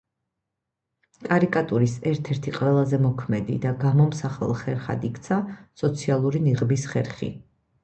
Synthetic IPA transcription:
kʼaɾikʼat̪ʼuɾisɛɾt̪ʰɛɾt̪ʰiqʼwɛlˠazɛmɔkʰmɛd̪ḭd̪aɡamɔmsaχɛ̰lˠχɛɾχa̰d̪ikʰt̪sʰasɔt̪sʰialˠuɾiniʁbisχɛɾχḭ

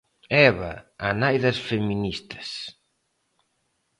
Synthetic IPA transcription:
ɛβɐ̰ːnajðɐsfeminist̪ɐ̥s

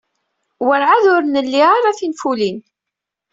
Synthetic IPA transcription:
wəɾʕaðʊɾnəlːiaɾaθinfulin

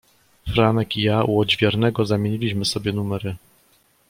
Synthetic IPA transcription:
fɾanɛkijauɔd͡ʑvʲjɛɾnɛɡɔzamʲjeɲilʲiɕmɘsɔbʲjɛnumɛɾɘ

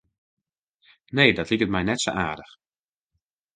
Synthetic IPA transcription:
neːdɑtlikət̚mɛjnɛtsoʔaːɹdəx

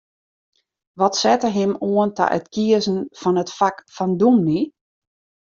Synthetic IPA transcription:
ʋɔtsɛtərɦɪmuənta̰ʔœ̰tkʰiəzən̩fɔnətfakfɔndumni

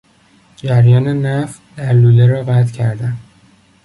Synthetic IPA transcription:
d͡ʒæɾjɒːnenæf | d̪æɾluːleɾɒːɣæt̪cʰæɾd̪æn

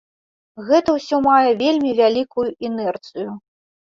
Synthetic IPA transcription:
ɣɛt̪ɐwsʲɔmajɛvʲelʲmʲivʲalʲikujuʔɛnɛrt̪sɨju

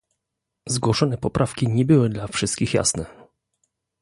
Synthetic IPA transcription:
zɡwɔʂɔnɛpɔpɾʔafkʲiɲɛbɘwɘd̪lafʂɘst̪kʲixja̰snɛ

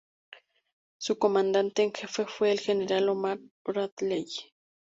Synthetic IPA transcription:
sukomand̪ant̪eŋxefefweːlxeneɾalomaɾoɾaðlej

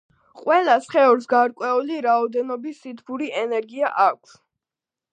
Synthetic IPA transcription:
qʼwɛlˠasχɛuɾsɡaɾkʼwɛuliɾaɔd̪ɛnɔbisːit̪ʰbuɾiʔɛnɛɾɡiaʔak̚ʷʰs

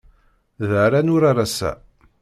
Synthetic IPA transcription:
ðəɾanʊɾaɾasæ̰

